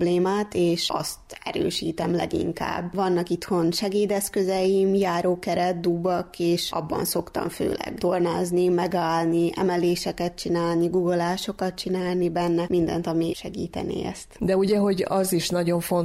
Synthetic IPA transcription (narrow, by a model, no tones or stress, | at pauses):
bleːmaːt̪eːʃɒ̰st̪ɛ̰ɾø̰ːʃiːt̪ɛmlɛ̰ɡḭŋka̰ːbʋɒnːɒkit̪ho̞nʃɛɡeːd̪ɛskøzɛjimjaːɾoːkɛɾɛt̪̚d̪ubːɒkeːʃʔɒ̰bːɒ̰nso̞kt̪ɒ̰mfø̰ːlɛ̰ɡt̪ornaːznimɛɡaːlniʔɛ̰mɛleːʃɛkɛt̪̚t͡ʃinaːlniɡuɡolaːʃo̞kɒt̪t͡ʃinaːlnibɛnːɛmind̪ɛ̰nt̪ɒmiʃɛɡḭːt̪ɛ̰nḭːɛ̰st̪d̪ɛuɟɛɦo̞ɟɒziʃnɒɟo̞ɱfo̞n